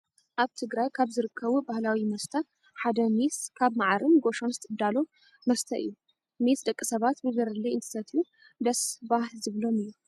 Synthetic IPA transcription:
ʔaβt̪ʰɨɡɾajkʰaβzɨɾɨkʰːɐβubahlawimɐst̪ʰɐ | ħad̪ɐmiskʰaβmaʕaɾɨnɡo̞ʃonzɨt̪ʰʼɨd̪alo̞ | mɐst̪ʰɐʔɨ̰jːu | mesd̪ɐkʼːɨsɐβat̪bɨzɐɾɐlːiɨnt̪ʰɨ̥sɐt̪ʰjːu | d̪ɐsbahlzɨβlo̞mɨjːu

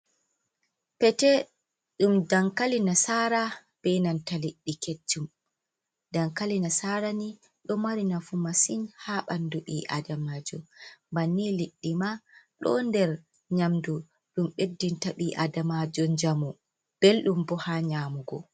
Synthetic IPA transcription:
pɛtɛ | ɗumdaŋkalinasaɾa | b̥ɛjnantaliɗːiket͡ʃːum | daŋkalinasaɾani | ɗɔmaɾinafumasinhaɓanduɓiʔa̰damad͡ʒɔmbanːiliɗːimaɗɔ̰ndɛɾ | ɲamdu | ɗumɓedːintaɓiʔadamad͡ʒɔɲd͡ʒamɔ | b̥elɗumbɔhaɲaːmuɡɔ

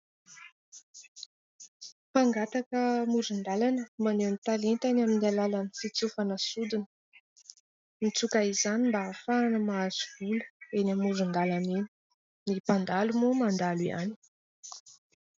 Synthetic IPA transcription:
paŋɡat̪akəmuɾund̪alanəmanenit̪alent̪anaminalalanifit͡sufanəsud̪inə̥ | mit͡sukaizanimbaːfaːnəmaːz̥uvulə̥enamuɾund̪alanen̥ | nipand̪alumomand̪alia̰ni̥

